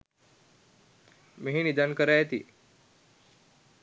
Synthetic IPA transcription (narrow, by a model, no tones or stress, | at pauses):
meɦinid̪ankəɾajet̪ḭ